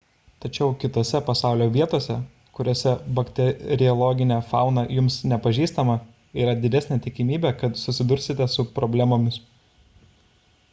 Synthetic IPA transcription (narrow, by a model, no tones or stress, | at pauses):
t̪ɐt͡ʃʲɛʊkʲɪt̪oːsʲɛpɐsɑˑʊlʲoːʋʲiɛt̪oːsʲɛ | kʊɾʲoːsʲɛbɐkt̪ʲɛɾʲɪɔlˠɔɡʲɪnʲɛːfɑ̰ˑʊnɐjʊmsnʲɛpɐʒʲiːst̪ɐmɐ | iːɾɐd̪ʲɪd̪ʲɛsʲnʲɛːt̪ʲɪkʲɪmʲiːbʲɛːkɐt̪sʊsʲɪd̪ʊɾʲsʲɪt̪ʲɛsʊpɾɔːbʲlʲæmoːmʲɪs